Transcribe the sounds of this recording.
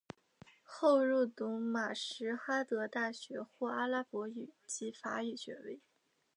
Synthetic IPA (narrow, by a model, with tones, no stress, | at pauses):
xo˥˧ʊɻu˥˩t̪ʊ˧˥ŋma˨˩ʂɻ̩˧˥xa˥t̪ɤ˧˥t̪a˥˩ɕɥɛ˧˥xwɔ˥˩a˥la˥pwɔ˧˥y˨˩˦t͡ɕi˧˥fa˧˥y˨˩ɕɥɛ̰˧˥we˥˩ɪ